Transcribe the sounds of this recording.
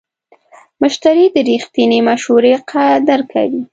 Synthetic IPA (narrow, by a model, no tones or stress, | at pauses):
mʊʃt̪aɾid̪əɾixt̪inimaʃhuɾeqʰad̪əɾkʰa̰wi